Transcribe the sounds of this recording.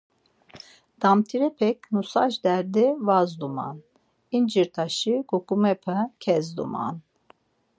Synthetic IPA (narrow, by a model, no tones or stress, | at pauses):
d̪̥amt̪ʰiɾɛpʰɛkʰnusaʒd̪ɛɾd̪ɛvazd̪uma̰n | ind͡ʒiɾt̪ʰaʃiɡukʼumɛpʰɛkʰɛzd̪ṵma̰n